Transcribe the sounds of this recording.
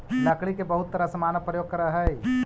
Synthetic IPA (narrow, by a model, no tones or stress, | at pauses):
lɐkɭikebɐɦʊt̪ːəɾasɐmaːnəpɾəjoːɡ̚kɐɾaɦɛ